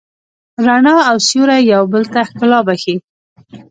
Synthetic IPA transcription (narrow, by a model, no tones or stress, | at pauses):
ɾaɳɑawsjuɾajawbəlt̪ahkɪlɑbaxi